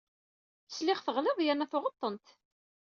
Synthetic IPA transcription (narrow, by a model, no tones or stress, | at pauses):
θə̥slɪʁθəʁlɪðˤjænːæθʊʁət̪ˤːənt̪